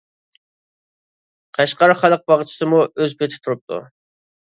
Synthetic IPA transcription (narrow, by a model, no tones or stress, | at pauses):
qʰɑʃqɑɾχɑlˠəq̚bɑʁt͡ʃʰi̥sɨmuøzpʰet̪ʰɪ̥t̪ʰuɾup̚t̪ʰṵ